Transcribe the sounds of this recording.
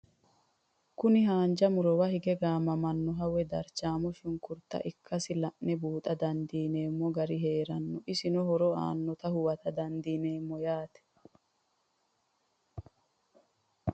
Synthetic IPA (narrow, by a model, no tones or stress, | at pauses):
kʊnɪɦaːnd͡ʒɐmʊɾɔwɐhɪɡɛɡaːmɐmɐnːɔɦɐwɛd̪ɐɾt͡ʃaːmɔʃʊŋkʊɾt̪ːɐ̰ʔɪkʰːɐsɪlɐʔnɛbuːt̪ʼɐd̪ɐnd̪iːne̞ːmːɔɡɐɾɪɦe̞ːɾɐnːɔʔɪsɪnɔɦɔɾɔa̰ːnːɔt̪ɐhʊwɐt̪ɐd̪ɐnd̪iːne̞ːmːɔjaːt̪ɛ̥